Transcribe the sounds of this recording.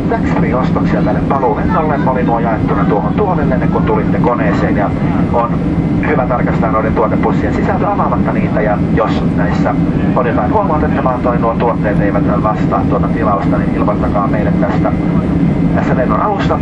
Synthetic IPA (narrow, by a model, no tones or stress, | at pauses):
tæksriːost̪oksielːæneppɑluːmenːolːenmolinuojɑet̪ːunɑt̪uohont̪uonenenːeŋkunt̪ulit̪ːekoneːseːnjɑ | on | hyʋæt̪ɑrkɑst̪ɑːnolent̪uot̪ːeppusːiensisælt̪æɑmɑːmɑt̪ːɑniːt̪æjɑ | jos | næisːæ | oliɑːnuomot̪et̪ːɑmɑːnt̪oinuot̪t̪uot̪ːeːt̪eiʋæt̪nælʋɑst̪ɑ̰ːt̪t̪uot̪ɑt̪ilɑlst̪ɑninilmɑst̪ɑkɑːmmeilæt̪t̪æst̪æ | t̪æsːæmenːo̰nʔɑlusːɑ